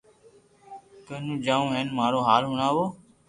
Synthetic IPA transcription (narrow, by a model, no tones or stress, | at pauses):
kəːnũːd͡ʒaːũːɦɛːnmaːɾoːɦaːlɦʊɳaːʋoː